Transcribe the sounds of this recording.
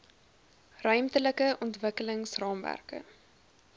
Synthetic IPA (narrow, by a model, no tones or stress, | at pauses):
rœɥmtələkəʔɔntvəkələŋsrɑːmvæ̰rkə̰